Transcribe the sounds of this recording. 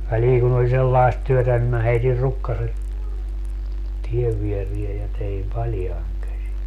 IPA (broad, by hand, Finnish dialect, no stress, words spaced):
ʋæliːŋ kun olʲ selːɑest tyøtæ nim mæ heitir rukːɑset tieʋ ʋierie jɑ teim pɑljɑiŋ kæsi